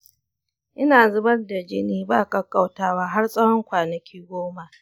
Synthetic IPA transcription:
ʔɪ˦naː˨zʊ˦bɐ˦rda˨d͡ʒɪ˦niː˦baː˦˨kʼɐ˦kʼa˦˨wtaː˦waː˦ɦa˦rsʼɐ˦hɔ˦ŋkʷaː˨nɐ˨kʲʰiː˦ɡʷoː˦ma˨ʔ

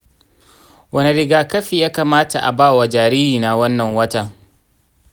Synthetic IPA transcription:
wɐ˦˨ni˨ɽɪ˨ɡaː˨kɐ˦ɸiː˨jaː˦kaː˨maː˦ta˨ʔa̰˨baː˦˨wa˨d͡ʒaː˨ɾiː˦ɾiː˨na˨wɐ˦nːɐ˨ŋwɐ˦ta˦

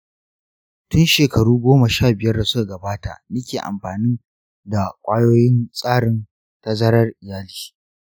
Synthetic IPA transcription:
tʊ˦nʃeː˨kɐ˨ɽuː˦ɡʷoː˦ma˨ʃaː˦˨bɪ˨jɐ˦rda˨sʊ˦ka˨ɡɐ˨baː˦ta̰˨ʔnɐ˦kʲeː˨ʔa̰˨mɸaː˨ni˦ | da˨kʷʼaː˦joː˦jɪ˦nsʼaː˦ɽɪ˦n | ta˦zɐ˦ɽɐ˦rʔɪ˨jaː˦liː˨

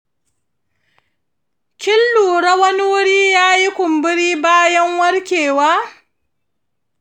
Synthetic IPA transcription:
kʲɪ˦lːuː˨ɽɐ˦wɐ˦ni˦wʊ˦ɽiː˦jaː˦ji˦kʷʊ˨mbɪ˦ɽiː˦baː˦jɐ˦ŋwɐ˦ɽkʲeː˨waː˦

